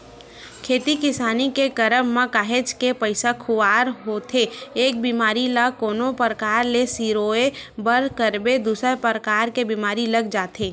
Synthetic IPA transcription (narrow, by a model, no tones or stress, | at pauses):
kʰeːt̪ikɪsaːnikekəɾəmːãkaːɦet͡ʃkepəɪsakʰʊaːɾɦoːt̪ʰeeːk̚biːmaːɾilakoːnopəɾəkaːɾlesiːɾoːebəɾkəɾbed̪uːsepəɾəkaːɾkebiːmaːɾilɐɡd͡ʒaːt̪ʰeː